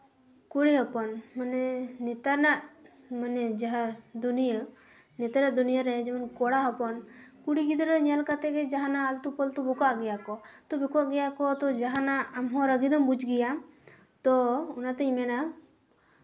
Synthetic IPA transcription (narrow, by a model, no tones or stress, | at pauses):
kuɽiɦɔpɔnmanɛnɛt̪anaʔ | manɛd͡ʒaɦad̪unijə | nɛt̪aɾad̪unijəɾɛd͡ʒɛmɔnkɔɽaɦɔpɔnkuɽiɡid̪ɾeɲɛlkat̪ɛkɛd͡ʒaɦanaːlt̪upɔlt̪ubukaʔɡɛjakɔt̪ɔbukuaʔɡɛjakɔt̪ɔd͡ʒaɦanaamɦɔ̃ɾəɡid̪ɔmbud͡ʒɡijam | t̪ɔunat̪əimɛna